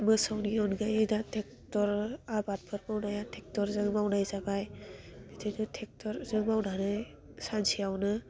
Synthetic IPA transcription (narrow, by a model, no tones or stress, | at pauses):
mɯsawniɔnɡajedatʰɛk̚ | tɔɾabat̚pʰɯɾbawnajatʰɛk̚tɔɾzɯŋmawnajzabajdetʰidɯtʰɛk̚tʰɔɾzɯŋbawdʱanɯj | sansiawnɯ